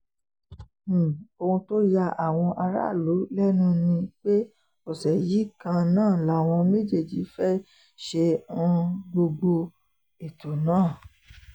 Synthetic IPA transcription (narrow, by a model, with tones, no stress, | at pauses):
o˧ũ˧to˦ja˧ʔa˨w̃ɔ̃˧ʔa˧ɾa̰˦˨lu˨˦lɛ˦nũ˦nĩ˧k͡pe˦ | o˦˨sɛ˨ji˨˦kã˧nãː˦˨la˨˦˨w̃ɔ̃˧me˦d͡ʒe˦˨d͡ʒi˨˦fɛ˦ | ʃẽ˧˦˧ | ɡ͡bo˧ɡ͡bo˧ | e˨to˨nãː˦˨